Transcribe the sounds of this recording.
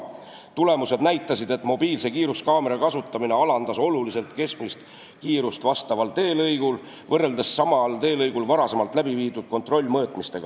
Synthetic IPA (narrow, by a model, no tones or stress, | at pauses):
t̪ule̞muse̞d̪̥næjt̪ːˑɑsid̪e̞t̪ːmo̞biːlse̞kiːɾuskɑːme̞ɾɑkɑsut̪ˑːɑmine̞ɑlɑnd̪̥ɑso̞lulise̞lt̪ke̞smmist̪ | kiːɾust̪vɑst̪ɑvɑlt̪e̞ːlɤjɡ̥ul | vɤrːe̞ld̪esːɑmɑlt̪e̞ːlɤjɡulvɑɾɑse̞mɑlt̪ˑlæbiviːt̪ud̪̥̚ko̞nt̪ro̞lʲːmɤːt̪ˑmist̪e̞ɡ̥ɑ